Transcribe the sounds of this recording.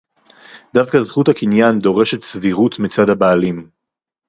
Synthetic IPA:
d̪avkazχuthakinjand̪o̞ʁe̞ʃetsviʁutmit͡sadhabaːlim

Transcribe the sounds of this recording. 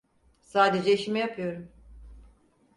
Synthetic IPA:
saːd̪ed͡ʒɛiʃimijapʰɯjo̞ɾum

